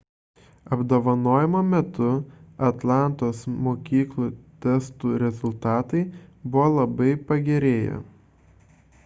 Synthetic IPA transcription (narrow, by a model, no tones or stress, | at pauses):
ɐbd̪oːʋɐnoːjɛmoːmʲɛt̪ʊɐt̪lˠɑˑnt̪oːsmoːkʲiːklˠuːt̪ʲɛst̪uːɾʲɛzʊlˠt̪ɑːt̪ɐɪbʊʋoːlˠɐbɐɪpɐɡʲɛɾʲeːjɛ̰